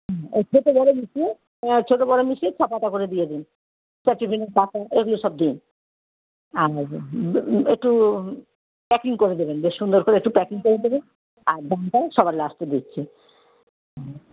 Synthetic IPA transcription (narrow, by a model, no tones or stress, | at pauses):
ɦɛekʰet̪ebɔɾomiʃie | t͡ɕʰoʈobɔɾomiʃet͡ɕʰɔpat̪akoɾed̪ied̪in | sɛʈːibʱineɾdat̪aeɡuloʃɔb̚d̪in | aɾ | ek̚ʈu | pɛkiŋkoɾed̪ebenbeʃʃund̪oɾkoɾeek̚ʈupɛkiŋkoɾed̪eben | aɾbanʈajʃɔbaɾlast̪ed̪itːɕʰe | ɦɛ